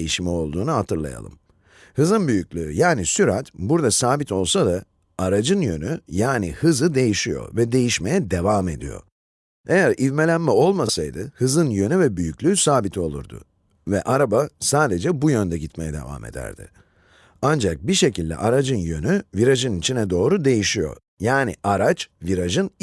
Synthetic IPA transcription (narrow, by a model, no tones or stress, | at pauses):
jiʃmɛo̞lˠd̪uːnuhat̪ʰɯɾlˠa̰ja̰lˠɯ̰m | hɯzɯnbyjycʲlʲyːjaːnisyɾat̪buɾd̪asaːbit̪ʰo̞lˠsad̪a | aɾad͡ʒɯnjø̞nyjaːnihɯzɯd̪e̞jiʃijo̞̰vɛd̪e̞jiʃme̞jɛd̪e̞vaːme̞̰d̪ijo̞̰ | e̞jæɾʔivme̞lʲænmɛo̞lˠmasajd̪ɯhɯzɯnjø̞nyvɛbyjycʲlʲyːsaːbit̪ʰio̞lˠṵɾd̪ʊ̰ | vɛʔaɾabasaːd̪e̞d͡ʒɛbujønd̪ɛɟit̪me̞jɛd̪e̞̰va̰ːmʔḛd̪æ̰ɾd̪̥ɪ̰ | and͡ʒak̚biʃe̞cilʲd̪ʲɛ̰ʔaɾad͡ʒɯnjønyviɾaʒɯnit͡ʃʰinɛd̪o̞ːɾud̪e̞jiʃijo̞̰ | jaːniʔaɾat͡ʃviɾaʒɯn